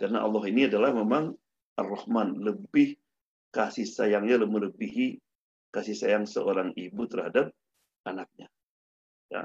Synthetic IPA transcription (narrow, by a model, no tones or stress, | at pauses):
kaɾəna̰ʔɑ̰lˠːɑɦiniadalahmemaŋ | ʔarːɔhmanləbɪh | kasihsajaŋɲaləmələbiɦi | kasihsajaŋsə̰ʔoɾaŋibut̪ərhadap̚ | anak̚ɲa | ja̰